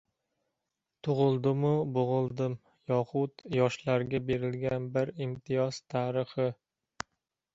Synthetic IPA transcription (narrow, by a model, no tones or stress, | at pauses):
t̪ʰʊʁɨlˠd̪ɪmʊboʁɨlˠd̪ɪm | jɒqʰʊt̪jɒʃlaɾɡʲabe̞ɾɪlɡʲanbɪɾɪmt̪ʰɪjɒz̥t̪ʰaːɾɪχɪ